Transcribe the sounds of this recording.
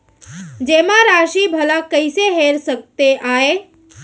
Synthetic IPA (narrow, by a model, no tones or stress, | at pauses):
d͡ʒemãɾaʃibʱəlakəɪseɦeɾsək̚t̪eʔae